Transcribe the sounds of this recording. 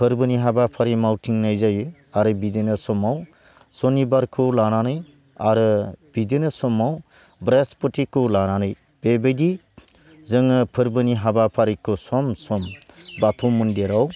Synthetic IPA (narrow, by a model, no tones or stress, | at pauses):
pʰɯɾbɯniɦabapʰaɾimawtʰiŋnajzajɯ | aɾɯbidenɯsɔmaw | sɔnibaɾkʰɯlananɯj | aɾɯb̥idenɯsɔmaw | bɾespɔtʰikʰːɯlananɯj | b̥ebɯjdi | zɯŋɯpʰɯɾbɯniɦabapʰaɾikʰosɔmsɔmbatʰomɯndeɾaw